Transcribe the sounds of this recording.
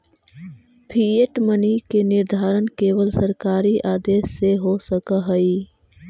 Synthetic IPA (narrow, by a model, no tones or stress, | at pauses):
pʰieʈmənikenɪɾd̪ʱaːɾənkeːʋəlsəɾkaːɾiʔaːd̪eːsːeɦosəkəɦəi